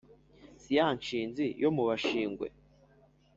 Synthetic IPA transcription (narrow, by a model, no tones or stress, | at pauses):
sijahaɲt͡ʃiːnzijʔomuβaʃiːŋɡwḛ